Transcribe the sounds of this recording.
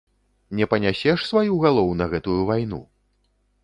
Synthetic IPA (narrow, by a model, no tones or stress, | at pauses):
nʲɛpɐnʲasʲɛʂsvajuɣalˠɔwnɐɣɛt̪ujuvajnṵ